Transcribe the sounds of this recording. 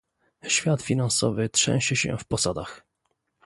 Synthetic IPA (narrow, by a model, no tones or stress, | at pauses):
ɕfʲjat̪fʲinansɔvɘtʂɛ̰̃w̃ɕɛɕɛ̰fpɔsad̪ax